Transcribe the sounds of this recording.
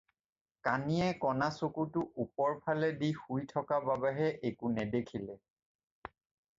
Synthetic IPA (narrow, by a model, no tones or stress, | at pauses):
kanijɛkɔnasukutʊʔupɔɹpʰalɛdixujtʰɔkababɛɦɛʔekunɛdekʰilɛ